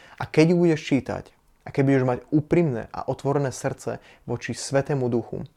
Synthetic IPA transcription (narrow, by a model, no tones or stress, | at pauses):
ʔakɛɟjubuɟɛʃt͡ʃiːt̪a̰c | akɛɟ̚buɟɛʒmaɟuːpɾimnɛ̰ːʔa̰ʔɔt̪ʋɔɾɛnɛːsr̩t͡sɛ̰ | ʋɔt͡ʃisʋɛt̪ɛːmud̪uxṵ